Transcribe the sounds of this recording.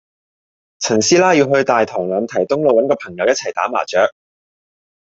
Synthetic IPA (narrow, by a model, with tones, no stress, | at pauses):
t͡sʰɐ˨˩nsiː˥laː˥ji˧wɦɵ˧ɥt̪aː˨jt̪ʰɔː˨˩ŋlœː˨˧nt̪ʰɐ˨˩jt̪ʊ˥ŋlo˨wɐ˨˥nkɔː˧pʰɐ˨˩ŋjɐ˨wjɐ˥t̚t͡sʰɐ˨˩jt̪a̰ː˨˥ma̰ː˨˩t͡ʃœː˨˥k̚